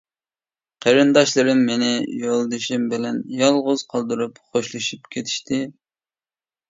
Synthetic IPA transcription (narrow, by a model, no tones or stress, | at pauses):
qʰəɾɨnd̪ɑʃlˠɨɾɨmːenɪjolˠd̪ɨʃimbɪlɛnjɑlˠʁʊz̥qʰɑlˠd̪ɨɾupχoʃlˠɨʃypkʲʰet̪ʰi̥ʃt̪ɪ